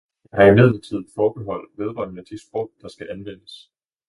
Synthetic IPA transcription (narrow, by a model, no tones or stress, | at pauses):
jɑɦɑ̈imeð̰ˠl̩t͡sʰið̞̰̩ˠfɒːb̥eɦɒ̽l̰d̥ʋe̝ðˠʁɑ̰ːnnæd̥isb̥ʁɔ̰ʊd̥ɑ̈sɡ̥æʔænʋen̰əs